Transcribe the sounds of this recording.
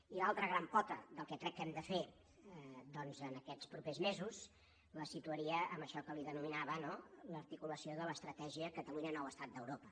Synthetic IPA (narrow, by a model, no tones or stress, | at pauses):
ilalˠt̪ɾəɣɾampɔt̪ə̰ðəlˠkɛkɾɛkːɛmd̪əfe | d̪ɔnzənəkɛt͡spɾupezmezuz | ləsit̪uəɾiəʔəməʃɔkəliðənuminaβənoləɾt̪ikuləsioðələst̪ɾət̪ɛʒiəkət̪əluɲənɔwəst̪at̪̚d̪əwɾopə